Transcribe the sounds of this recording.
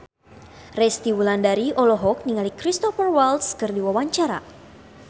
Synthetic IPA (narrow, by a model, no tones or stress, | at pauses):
rɛst̪iwulandaɾiʔɔlɔɦɔk̚niŋalikɾist̪ɔfərwaltskɨrdiwawaɲt͡ʃaɾa̰